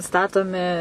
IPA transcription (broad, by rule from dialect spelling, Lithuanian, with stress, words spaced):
ˈstɑːtoːmʲɪ